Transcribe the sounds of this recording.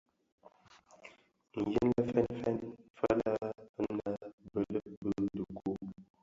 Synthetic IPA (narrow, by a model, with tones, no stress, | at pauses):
ŋ̩˨ji˦n˦lə˦fɛ˦nfɛ˦nfə˦la˦ə˦na˦bə˦˨lə˦bə˦n˦du˨kʰu˦